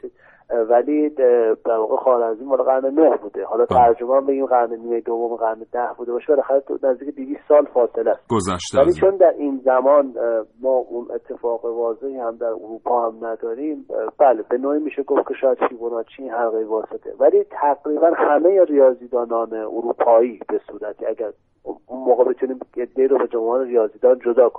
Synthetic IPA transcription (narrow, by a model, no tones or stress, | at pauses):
vælid̪̥æɾvɒːɣexɒːɾæziːmhɒːlɑɣæɾnenohbuːd̪ehɒːlɒt̪ʰæɾd͡ʒo̞meæmbe̞ɡʲiːmɡæɾneniːmejd̪ovːomiɣæɾned̪æhbuːd̪e̞bɒːʃebelæxæɾenæzd̪iːkʰed̪iviːst̪sɒːlfɒːse̞læst̪ɡozʃvæliːt͡ʃʰo̞nd̪æɾʔinzæmɒːnmɒːʔunʔḛt̪ʰːe̞fɒːɣevɒːze̞hihæmd̪æɾṵɾuːpʰɒːhæmnæd̪ɒːɾimbælebe̞noːiːmiːʃeɡofcʰeʃɒːjæd̪fibonɒːt͡ʃʰinhæɾɣejvɒːse̞t̪ʰḛvælit̪ʰæɡɾiːbænhæmejeɾijɒːziːd̪ɒːnɒːneʔuɾuːpʰɒːiːbe̞suːɾæt̪ʰiæɡæɾ | unmoːɣebet̪ʰuniːme̞d̪ːeiːɾobed͡ʒomɒːneɾijɒːziːd̪ɒːnd͡ʒod̪ɒːkʰonim